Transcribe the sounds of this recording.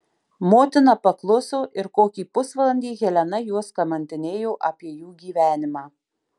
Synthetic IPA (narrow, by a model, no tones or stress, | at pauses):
moːt̪ʲɪnɑpɐklˠʊsoːʔɪɾkoːkʲiːpʊsʋɐlˠɐnʲd̪ʲiːɣʲɛlʲɛnɐjuɔskɐmɐnʲt̪ʲɪnʲeːjoːʔɐːpʲiɛjuːɡʲiːʋʲæːnʲɪmɑː